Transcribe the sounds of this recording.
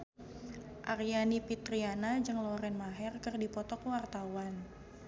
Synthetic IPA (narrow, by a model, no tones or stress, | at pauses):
ʔarjanipit̪ɾianad͡ʒɨŋlɔɾɛnmaɦɛrkɨrdipɔt̪ɔkwart̪awan